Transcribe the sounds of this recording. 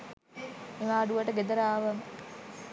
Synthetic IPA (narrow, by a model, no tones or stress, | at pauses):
meʋaːɖuʋəʈəɡed̪əɾaːʋəm